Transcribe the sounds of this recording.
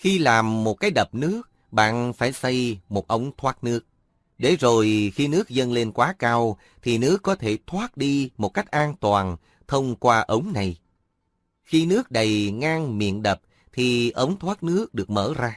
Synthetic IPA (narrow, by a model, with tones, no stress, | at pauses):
xi˧laː˨˩mːo˨˩t̚kaː˨˦jɗə˨˩p̚nɨ˦˥ək̚ | ɓa̰ː˧˨nfaː˧˩jsə˧jmo˨˩t̚ʔə˨˧wŋ͡mt̪ʰwaː˦˥t̚nɨ˦˥ək̚ | ɗe˧˩zo˨˩jxi˧nɨ˦˥ək̚zə˧nle˧nkwaː˨˦kaː˧w | t̪ʰi˨˩nɨ˦˥əkːɔ˨˦t̪ʰe˧˩t̪ʰwaː˦˥t̚ɗi˧mo˨˩t̚ka˦˥jk̟̚ʔaː˧nt̪waː˨˩n | t̪ʰə˧wŋ͡mkwaː˧ʔə˨˦wŋ͡mna˨˩j | xi˧nɨ˦˥ək̚ɗə˨˩jŋaː˧ŋmḭ˧˨ənɗə˨˩p̚ | t̪ʰi˨˩ʔə˨˦wŋ͡mt̪ʰwaː˦˥t̚nɨ˦˥ək̚ɗɨ˨˩ək̚məː˧˩zaː˧